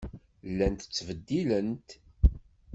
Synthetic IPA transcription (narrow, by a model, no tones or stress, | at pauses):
lːænt̪ət͡sːvəd̪ːilənt̪